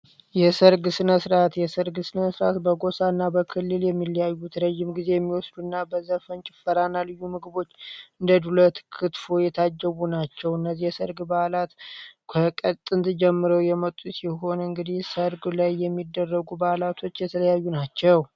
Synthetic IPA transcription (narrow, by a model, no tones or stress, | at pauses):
jɛsəɾɡɨsɨnəsɾat̪jɛsəɾɡsɨnəsɾat̪bəɡo̞saɨnːabəkʰɨlːɨljɛmːiljajːut̪ʰɾəʒːɪmɡize̞jɛmːiwɔsd̪uɨnːabəzəfənt͡ʃʼɪ̥fəɾanːalɨjːumɨɡɨbo̞t͡ʃːɨnd̪əd̪ulət̪kʰɨt̪fojɛt̪ʰad͡ʒːəβunat͡ʃːɛwɨnːəzːihjɛsəɾɡbalat̪kʰəkʼət̪ʼːɨnt̪d͡ʒɛmːɨɾəwjɛmət̪ʼːusiɦo̞nɨŋɡɨd̪ihsəɾɡlajːɛmːid̪ːərːəɡubalat̪ʰo̞t͡ʃːjɛt̪ʰələjajːunat͡ʃːɛw